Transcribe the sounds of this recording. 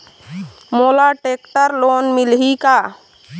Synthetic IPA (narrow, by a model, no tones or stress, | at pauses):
molaʈek̚ʈəɾlonmilɦika